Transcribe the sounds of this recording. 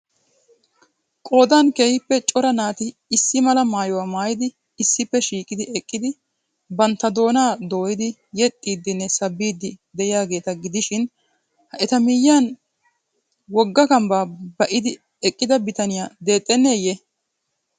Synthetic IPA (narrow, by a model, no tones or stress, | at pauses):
kʼo̞ːd̪aːnkeːhɪpːɛt͡ʃʼɔɾɐnaːt̪ɪːsːɪmɐlɐmaːjɔwaːmaːjɪd̪ɪː | sːɪpːɛʃiːkʼɪd̪ɪʔɛkʼːɪd̪ɪ | bɐnt̪ːɐd̪o̞ːnaːd̪o̞ːjɪd̪ɪjɛt̪ʼːiːd̪ːɪnːɛsɐbːiːd̪ːɪd̪ɛʔɪjaːɡe̞ːt̪ɐɡɪd̪ɪʃɪn | hɐʔɛt̪ɐmɪjːaːn | wɔɡːɐkɐmbaːbɐʔɪd̪ɪ | ɛkʼːɪd̪ɐbɪt̪ɐnɪjaːd̪e̞ːt̪ʼːɛnːeːje